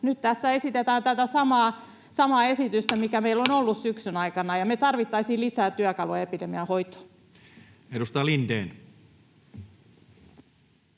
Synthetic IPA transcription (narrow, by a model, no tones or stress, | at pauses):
nyt̪t̪æsːæesit̪et̪æːnt̪æt̪æsɑmɑː | sɑmɑːesit̪yst̪æmikæmeilːonolːussyksynɑikɑnɑjɑmet̪ɑrʋit̪ːɑisiːlisæːt̪yækɑluɑepidemiɑhoit̪o̥ | edust̪ɑjɑlind̪eːn